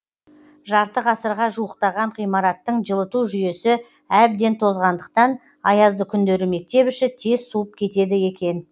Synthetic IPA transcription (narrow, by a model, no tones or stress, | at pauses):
ʒɑɾt̪əʁɑsəɾʁɑʒuəqt̪ɑʁɑɴʁijmɑɾɑt̪ːəɴʒəlˠət̪uʒʏje̞sɪ | æb̚d̪e̞nt̪ʰo̞zʁɑnd̪əq̚t̪ɑn | ɑjɑzd̪əkʲʰʏnd̪e̞ɾɪme̞k̚t̪e̞bɪʃɪt̪ʰe̞z̥suwəp̚kʲʰe̞t̪e̞d̪ɪje̞kʲe̞n